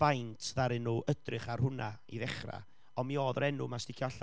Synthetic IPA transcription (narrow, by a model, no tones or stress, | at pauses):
v̥ajntʰðaɾɨnuʔədrɪχarhʊnaḭðɛχra̰ | ɔmioːðɾɛnʊmastɪkʰjaɬ